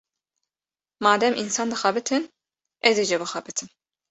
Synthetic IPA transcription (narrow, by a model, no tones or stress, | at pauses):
mɑːd̪ɛmʔinsɑːnd̪ɨxɑbɨt̪ʰɨn | ɛzed͡ʒɛbɨxɑbɨt̪ʰɨn